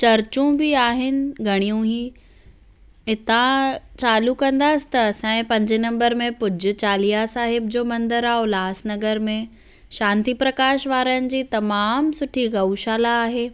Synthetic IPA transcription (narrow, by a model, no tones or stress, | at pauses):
t͡ɕɐɾt͡ɕũbɪaːɦɪnɪ̆ɡʱɐɽ̃ijũɦiː | ɪt̪ãt͡ɕaːlukɐ̃nd̪aːsɪ̥̆t̪ɐɐsãːɪ̃pɐ̃ɲd͡ʑɪnɐ̃mbəɾmẽpʊd͡ʑʱʊ̆t͡ɕaːlijasaːɦɪb̚d͡ʑoːmɐ̃nd̪əɾaːɦolaːsnɐɡəɾmẽ | ʃãːnt̪ipɾɐkaːʃʋaːɾəənɪ̆d͡ʑiːt̪ɐmaːmsʊʈʰiɡɐwʃaːlaːɦeː